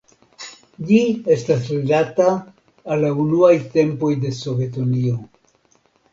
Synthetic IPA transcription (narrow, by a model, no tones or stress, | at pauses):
d͡ʒie̞stasɾelataː | lːaunuajte̞mpo̞jde̞so̞ve̞tonio̞